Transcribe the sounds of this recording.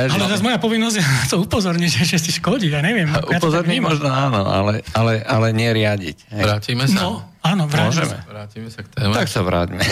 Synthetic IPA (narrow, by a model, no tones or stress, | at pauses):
alɛɛɾazmɔjapɔʋinːɔzɟjat̪ɔupɔzɔɾɲiʒɛʒɛsiʃkɔɟiaɲɛʋɪɛmujatpɔzɔɾɲimɔʒnɔaːnɔa̰lɛalɛʔalɛɲɪɛɾɪaɟḭcɦɛjɾaːciːmɛsnaɔ | aːnɔʋɾaʒiɛmɛ̰ɾaːcimɛsakt̪ɛːmt̪aksaʋɾa̰ːɟmɛ